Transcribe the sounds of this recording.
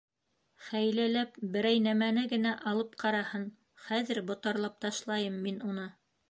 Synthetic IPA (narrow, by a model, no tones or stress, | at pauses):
χæjlælæpbɘ̆ɾæjnæmænɘɡɘ̆næʔɑlˠɤp̚qʰɑɾɑhɤn | χæðɘɾbŏt̪ɑɾlˠɑp̚t̪ɑʃlˠɑjɤmːinunɤ